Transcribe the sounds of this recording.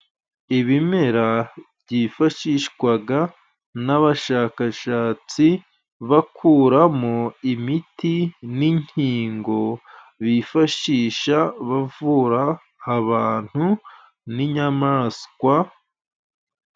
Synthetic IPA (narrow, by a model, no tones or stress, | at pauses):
iβime̞ɾaβɟiːfaʃiːʃkwaɡa | naβaʃaːkaʃaːt͡si | βakʰuːɾamoimitiniɲ̥hiːŋɡo̞ | βifaʃiːʃaβavuɾaː | βaːn̥hu | niɲamaskwa